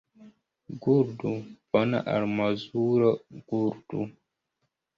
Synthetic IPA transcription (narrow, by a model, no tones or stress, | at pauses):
ɡuɾdubɔna̰ʔa̰ɾmazuɾəɡ̥uɾdṵ